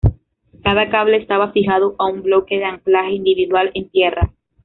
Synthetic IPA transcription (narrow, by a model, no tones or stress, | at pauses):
kaðakaβle̞ːst̪aβafixaðoʔaumblo̞ke̞ðeaŋklaxe̞ind̪iβiðwale̞nt̪je̞ra